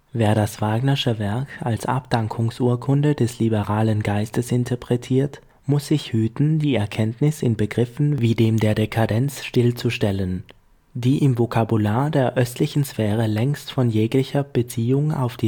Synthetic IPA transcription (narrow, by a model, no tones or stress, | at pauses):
veːɐɾasv̥aːɡnɐʃəvɛɐkalsʔa̰pd̥aŋkʰʊŋsʔuːɐkʰʊndədɛslibəʁaːlənɡaɪstəsɪntʰəɐpʁ̥ɛtʰiːɐt | mʊsz̥ɪçhyːtn̩diːɛɐkʰɛntnɪsɪnbəɡʁɪfn̩viːdeːmdeːɐdekʰadɛnt͡sʃtɪlt͡suʃtɛlən | d̥iːʔɪmvokʰabulaːɐdeːɐʔœstʰlɪçn̩sfɛːʁ̞əlɛŋstfɔnjeːklɪçɐb̥ət͡siːʊŋa̰ʊfd̥iː